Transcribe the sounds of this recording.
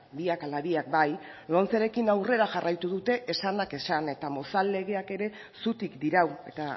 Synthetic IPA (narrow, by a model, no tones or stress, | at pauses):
biakalaβiak̚baj | lont͡seɾe̞kinawre̞ɾaʝarajt̪uðut̪e̞ʔesanake̞sane̞t̪amo̞sale̞ɣ̞e̞ake̞ɾe̞ | sut̪ikd̪iɾawe̞t̪a